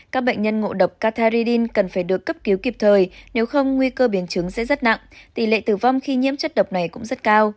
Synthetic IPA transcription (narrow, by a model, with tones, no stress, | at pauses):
kaː˦˥k̚ɓə̰˧˨ŋ̟ɲə˧nŋo̰˧˨ɗə˨˩wk͡p̚kaː˧t̪ʰaː˧zi˧ɗi˧nkə˨˩nfaː˧˩jɗɨ˨˩əkːə˦˥p̚ki˨˦wki˨˩p̚t̪ʰəː˨˩jne˨˦wxə˧wŋ͡mŋwi˧kəː˧ɓi˨˦ənt͡ɕɨ˨˦ŋsɛ̰˧˥zə˦˥t̚na̰˧˨ŋt̪i˧˩lḛ˧˨t̪ɨ˨˩va˧wŋ͡mxi˧ɲḭ˧˥əmt͡ɕə˦˥t̚ɗə˨˩wk͡p̚na˨˩jkʊ̰˧˥ŋ͡mzə˦˥t̚kaː˧w